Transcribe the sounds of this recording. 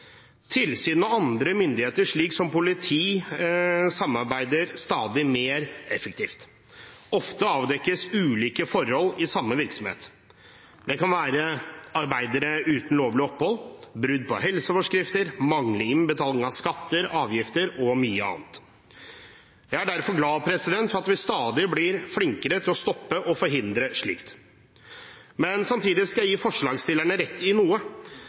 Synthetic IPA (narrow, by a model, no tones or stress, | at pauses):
t̪ʰɪlsyːnɑɑnd̪ɾəmʏnd̪ɪheːt̪əʂɭiːksɔmpʊlɪt̪ʰiː | sɑmːɑɾbæɪd̪əɾst̪ɑːd̪ɪmeːɾɛfɛk̚t̪ʰiːft̪ | ɔft̪əɑːʋd̪ɛkːəsʉːliːkəfɔɾhɔlɪsɑmːəʋɪɾksɔmhḛːt̪ | d̪ɛkɑnʋæːɾəɑɾbæɪd̪əɾəʔʉːt̪n̩loːʋlɪɔpːhɔlbɾʉd̪̚pʰɔ̰ɦɛlsəfɔʂkɾɪft̪əɾmɑŋləɪnbət̪ʰɑːlnɪŋɑʋskɑt̪ːəɾɑːʋjɪft̪əɾɔmyːəɑ̰ːnt̪ | jæɪæɖæɾfɔɾɡlɑːpʰɾɛsɪd̪ɛnt̪fɔɾɑt̪ʋɪst̪ɑːd̪ɪblɪɾflɪŋkəɾət̪ʰɪlɔst̪ɔpːəʔɔfɔɾɦɪnd̪ɾəʂɭḭːkt̪ | mɛnsɑmt̪ʰiːd̪ɪskɑjæjiːfɔʂɭɑːɡst̪ɪlːæɳəɾɛt̪ːɪnuːə